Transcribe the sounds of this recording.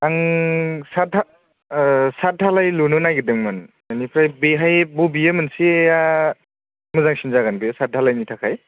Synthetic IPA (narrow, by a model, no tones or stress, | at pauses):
aŋsata | sat̚dʱalajlunɯnajɡɯdɯŋmanmanipʰɾajbeɦajbubijɯmɯnsiea | mɯzaŋsinzaɡanbɯjsat̚dʱalajnitʰakʰaj